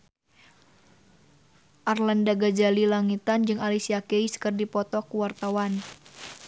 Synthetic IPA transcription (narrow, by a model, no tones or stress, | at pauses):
ʔarlandaɡad͡ʒalilaŋit̪and͡ʒɨŋalisiakeiskɨrdipɔt̪ɔkuwart̪awan